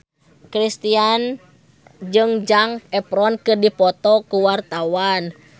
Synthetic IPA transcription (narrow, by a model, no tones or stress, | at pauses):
kɾist̪ian | d͡ʒɨŋd͡ʒaŋɛpɾɔnkɨrdipɔt̪ɔkuwart̪awan